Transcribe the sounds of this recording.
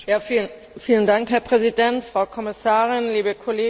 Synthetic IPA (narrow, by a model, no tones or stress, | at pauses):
jaːfiːlən | fiːləndaŋkhɛːɐpʁ̥ɛzidɛntfʁ̥aʊkʰɔmɪsaːʁɪnliːbəkʰɔleː